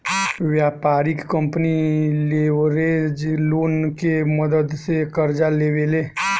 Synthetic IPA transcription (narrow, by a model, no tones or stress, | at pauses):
ʋjaːpaːɾɪkːə̃mpnileːɾeːd͡ʒluːnkeməd̪əd̪sekəɾd͡ʒaleːʋeːleː